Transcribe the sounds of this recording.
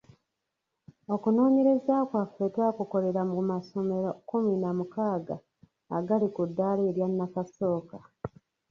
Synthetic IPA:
o̞kuno̞ːɲe̞ɾe̞zakwafːe̞taːkuko̞le̞ɾammaso̞me̞ɾokuminamukaːɡaː | ɡalikudːaːleːɾjanːakaso̞ːka

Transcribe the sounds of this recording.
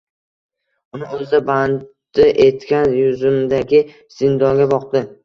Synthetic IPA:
ʊnɪɵzɪd̪aban | ɪʔe̞t̪kʲanjʊzɪmd̪aɡʲɪ | z̥ɪnd̪ɒŋɡʲabɒqd̪ɪ

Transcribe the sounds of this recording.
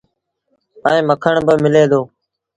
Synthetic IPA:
əẽːməkʰəɳbəmɪleːd̪oː

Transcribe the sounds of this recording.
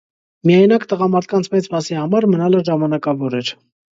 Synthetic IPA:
mijɑjnɑkt̪əʁɑmɑɾt̪̚ʰkɑnt͡sʰmɛt͡smɑsihɑmɑɾmənɑləʒɑmɑnɑkɑvɔɾɛɾ

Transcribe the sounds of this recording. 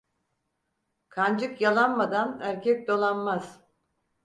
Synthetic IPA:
kʰand͡ʒɯkjalˠanmad̪anæɾcʰɛc̚d̪o̞lˠanmaz̥

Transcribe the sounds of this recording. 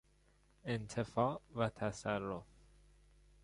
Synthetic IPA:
ent̪ʰefɒːʔvæt̪ʰæsærːof

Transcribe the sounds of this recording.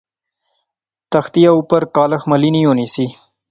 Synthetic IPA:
t̪ɐxt̪ijaupəɾkɑːləxmɐlinijonisi

